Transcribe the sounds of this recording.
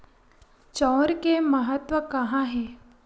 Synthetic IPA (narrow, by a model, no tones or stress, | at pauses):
t͡ʃɔːɾkeməɦət̪ʋəkɐɦãɦɛː